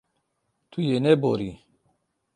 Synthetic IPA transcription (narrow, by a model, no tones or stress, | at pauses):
t̪ʰujenɛboɾi